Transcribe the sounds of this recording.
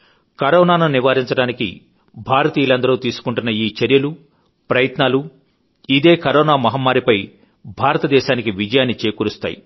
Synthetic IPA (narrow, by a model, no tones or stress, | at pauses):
kɐɾɔːnaːnɐniʋaːɾiɲt͡ʃɐɽaːnikḭ | bʱaːɾɐt̪iːjilɐnd̪ɐɾoːt̪iːsu̥kuɳʈunːɐiːt͡ʃɐɾjɐlu | pɾɐjɐt̪naːlu | id̪e̞ːkɐɾɔːnaːmɐɦɐmːaːɾipɐj | bʱaːɾɐt̪ɐd̪ɛːʃaːnikiʋid͡ʒɐjaːnːit͡ʃe̞ːkuːɾust̪a̰ːjḭ